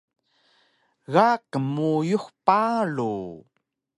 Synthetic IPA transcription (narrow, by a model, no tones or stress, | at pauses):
ɣakəmujuxpalu